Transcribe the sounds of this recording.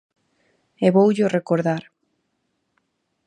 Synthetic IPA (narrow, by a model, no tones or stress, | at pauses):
eβowʎʊrekoɾðaɾ